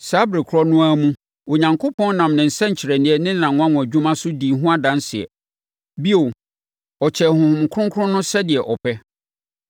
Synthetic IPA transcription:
sa˦bɾe˨kʰʊ˦ɾɔ˦nʊ̃˦a˦mũ˦ | o˨ɲã˨ŋkʰo˦pʰɔ̃˦n˦nã˨mnɪ̃˨n̩˨sɛ̃˦ɲ̩˨t͡ɕʰɪ˨ɾɛ˨nɪ̃˦ɛ˦nɪ̃˦n˨ã˨ŋʊ̃˦ã˦wʊ̃˨æ˨d͡ʑᶣũ˦mã˦sʊ˦di˨ɦʊ̃˦a˦dã˨˦n˦sɪ˨ɛ̰˨ | bi˦o˨ | ɔ˨t͡ɕʰɛ˨hʊ̃˨hʊ̃˨m˨kʰʊ̃˦ŋkʰʊ˦ɾʊ̃˦nʊ̃˦sɛ˦dɪ˨ɛ˨ʔɔ˨pʰɛ˦

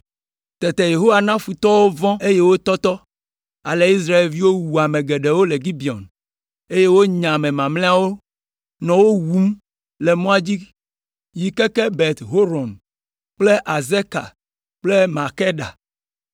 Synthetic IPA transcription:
t̪ɛ˨t̪ɛ˨je˨ɦo˦wa˨nã˦fu˨t̪ɔ˦wo˦vɔ̃˦e˦je˦wo˦t̪ɔ˦t̪ɔ˦ | a˨le˨i˦s̬ɾa˦e˨lvi˦wo˦wu˨a˨mẽ˨ɡe˨ɖe˨wo˦le˨ɡi˦bi˨ɔ̰˨n | e˦je˦wo˦ɲã˨mẽ˨mã˨mlẽ˦a˦wo˦ | nɔ̃˨wo˦wu˨˦m | le˨mɔ̃˦a˦d͡ʑi˦ | ji˨kɛ˦kɛ˦bɛ˨t̪ɦo˦ɾɔ̃˨n | k͡ple˦ʔa˨ze˦ka̰˨ | k͡ple˦ma˨ke˦ɖa̰˨

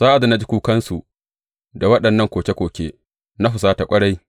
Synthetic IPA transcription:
saː˦ʔa˨da˨na˦d͡ʒi˦kʷuː˦kɐ˦nsu˨ | da˨wɐ˦ɗɐ˨nːɐ˦˨ŋkʷoː˨kʲe˦kʷoː˨kʲeː˦ | na˦ɸʊ˨s̬aː˦ta˨kʷʼɐ˦ɽa˦j

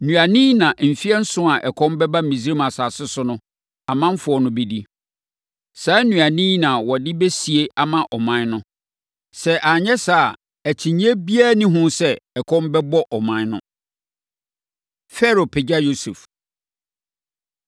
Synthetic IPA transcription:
nũ˨a˨nĩː˦nã˨ʔm̩˨fi˦ɛ˦n̩˦sʊ̃˦a˨ʔɛ˨kʰɔ̃˦mbɛ˦ba˦˨mĩ˨zi˦ɾi˦mã˨saː˨sɪ˦sʊ˦nʊ̃˦ | a˨mã˦m̩˦fʊ˨˦ɔ˦nʊ̃˦be˦di˦ | saː˨˦nũ˨a˨nĩ˦nã˨wɔ˨dɪ˦be˦si˨e˦ʔa˨mã˦ʔɔ˨mã˦n˦nʊ̃˦ | sɛ˦ʔa˨ɲɛ˦sa˦˨ | æ˨t͡ɕʰĩ˨ɲ˦e˦bi˦a˦˨nĩ˦ɦʊ̃˦sɛ˦ɛ˨kʰɔ̃˦mbɛ˦bɔ˦ʔɔ˨mã˦n˦nʊ̰̃˦ | fɛ˦ɾo˨pʰɪ˨d͡ʑa˦jo˦sḛ˨f

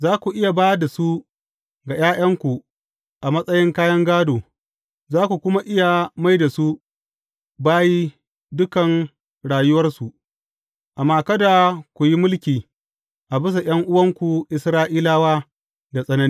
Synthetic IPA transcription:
zaː˦kʷu˨ʔɪ˦ja˨baː˦da˨su˦ | ɡa˨j̰aː˦j̰ɐ˦ŋkʷu˨ | ʔa˨mɐ˦sʼɐ˦jɪ˦ŋkaː˦jɐ˦ŋɡaː˦doː˨ | zaː˦kʷu˨kʷʊ˦ma˦ʔɪ˦ja˨ma˦jda˨su˦ | baː˦ji˦ | dʊ˦kɐ˨n | ɽaː˨jʊ˦wɐ˦rsu˨ʔ | ʔa˨mːaː˦kɐ˦da˨kʷu˨ji˦mʊ˦lkʲiː˨ | ʔa˨bɪ˦s̬a˨j̰ɐ˦ŋʔʊ˦wɐ˦ŋkʷu˨ʔɪ˦sɾaː˦ʔiː˦laː˦waː˦ | da˨sʼɐ˦nɐ˦ni˦

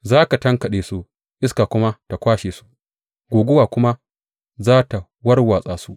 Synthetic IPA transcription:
zaː˦ka˨tɐ˦ŋkɐ˨ɗeː˨su˦ | ʔɪ˦skaː˨kʷʊ˦ma˦ta˨kʷaː˦ʃeː˨su̥˦ʔ | ɡʷoː˨ɡʷʊ˦waː˨kʷʊ˦ma˦ | zaː˦ta˨ | wɐ˦rwaː˨sʼaː˨su˦ʔ

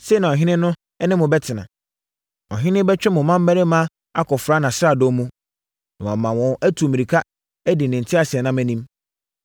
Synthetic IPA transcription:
se˦˨nã˨ɔ˨ɦɪ̃˦nɪ̃˦nʊ̃˦ | ɛ˦nɪ̃˦mʊ̃˨bɛ˦tʰɪ˨nã̰˨ | ɔ˨ɦɪ̃˦nɪ̃˦bɛ˦t͡ɕᶣɛ˦mʊ̃˨mã˦m̩˦mæ˦ɾɪ˦mã˦ | a˦kʰɔ˨fɾa˨˦nã˨sɾa˨do˦mũ˦ | nã˨wã˨mã˨wɔ̃˨æ˦tʰu˨mĩ˨ɾi˨kʰa˦ | æ˦dɪ˨nɪ̃˨n̩˨tʰɪ˦a˨sɪ˨ɛ˨nã˦mæ̃˦nĩ˦m

